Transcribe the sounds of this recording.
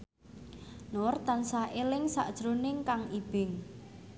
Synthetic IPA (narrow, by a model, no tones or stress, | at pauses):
nʊrt̪ansahelɪŋsa̰ʔd̥ʒ̥ɾonɪŋkaŋib̥ɪŋ